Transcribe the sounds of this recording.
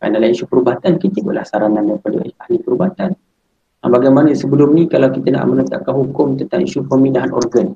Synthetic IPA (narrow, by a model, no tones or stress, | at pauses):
a̰ndalahiʃupəɾubaɦat̪ankit̪əibṵʔlahsaɾanandaəpadə̰ahlipəɾubaat̪an | a̰baɡajmanəsəbəlʊmnĩkalawkit̪əna̰ʔmənət̪a̰ʔkanɦukʊmt̪ənt̪aŋḭʃupərmĩndaɦanʔɔ̰rɡən